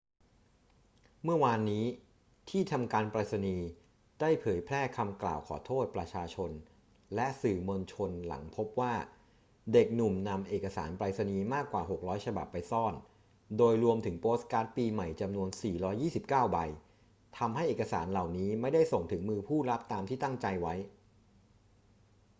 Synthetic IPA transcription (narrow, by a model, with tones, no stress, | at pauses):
mɯ˥˩ɐwaː˧nːiː˦˥ | t̪ʰiː˥˩t̪ʰa˧mkaː˧npɾa˧t̪̚sa˧niː˧ | d̥a˥˩jpʰɤː˩˦jpʰlɛː˥˩kʰa˧mkla̰ː˨˩wkʰɔ̰ː˩˦t̪ʰoː˥˩t̪̚pɾa˧t͡ɕʰaː˧t͡ɕʰo˧n | lɛ˦˥ʔsɯː˨˩mo˧nt͡ɕʰo˧nla̰˩˦ŋpʰo˦˥p̚waː˥˩ | de˨˩k̚nu˨˩mna˧mʔeː˨˩ka˧sa̰ː˩˦npɾa˧t̪̚sa˧niː˧maː˥˩kːwaː˨˩ɦo˨˩k̚ɾɔː˦˥jt͡ɕʰa˧ba̰˨˩pːa˧jsɔː˥˩n | doː˧jɾu˧əmt̪ʰɯ˩˦ŋpoː˦˥skaː˦˥t̪̚piː˧ma˨˩jt͡ɕa˧mnu˧ənsiː˨˩ɾɔː˦˥jːiː˥˩si˨˩p̚kaː˥˩wba˧j | t̪ʰa˧mɦa˥˩jʔeː˨˩ka˧sa̰ː˩˦nla˨˩wniː˦˥ma˥˩jda˥˩jso˨˩ŋt̪ʰɯ˩˦ŋmɯː˧pʰuː˥˩ɾa˦˥p̚t̪aː˧mt̪ʰiː˥˩t̪a˥˩ŋt͡ɕa˧jwa˦˥j